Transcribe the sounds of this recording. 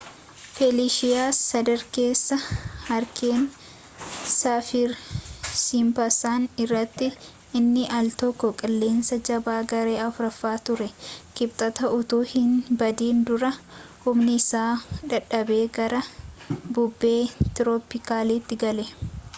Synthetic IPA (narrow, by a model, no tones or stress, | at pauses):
fɛliːʃɪjaːsːɐd̪ɐɾke̞ːsːɐhɐɾkʰeːn | saːfɪɾsiːmpɐsaːnɪrːɐt̪ːɪ | ɪnːɪʔɐlt̪ɔkːɔkʼɐlːe̞ːnsɐd͡ʒɐbaːɡɐɾe̞ːɐfʊɾɐfːaːt̪ʊɾɛkɪb̚t̪ʼɐt̪ɐʔʊt̪uːhɪnbɐd̪iːnd̪ʊɾɐhʊmnɪɪsaːᶑɐᶑɐbe̞ːɡɐɾɐbʊbːe̞ːt̪ɪɾoːpɪkaːliːt̪ːɪɡɐlɛ